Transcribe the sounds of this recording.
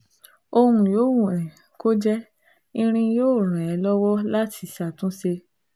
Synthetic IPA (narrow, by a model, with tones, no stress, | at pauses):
o˧hũ˨joː˨˦wũ˦˨ɛ̃˨ | ko˦d͡ʒɛ˦ | ĩ˧ɾ̃ĩ˧joː˦˨ɾ̃ã˨ɛ˧lɔ˦wɔ˦la˦tʰi˧˦sa˦˨tũ˨˦se˧